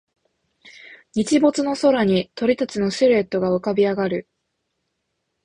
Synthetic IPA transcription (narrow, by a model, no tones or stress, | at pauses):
ɲ̟it͡ɕibo̞t͡sɨno̞so̞ɾaɲ̟it̪o̞ɾʲit̪at͡ɕɨno̞ɕɨɾe̞t̪ːo̞ɡaɯkabʲiaɡaɾɯ̟